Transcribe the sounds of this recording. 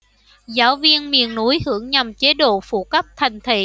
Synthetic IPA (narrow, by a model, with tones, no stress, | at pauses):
zaː˨˦wvi˧ənmḭ˨˩ənːu˨˦jhɨ˧˩əŋɲa˨˩mt͡ɕe˨˦ɗo̰˧˨fṵ˧˨kə˦˥p̚t̪ʰa˨˩jŋ̟t̪ʰḭ˧˨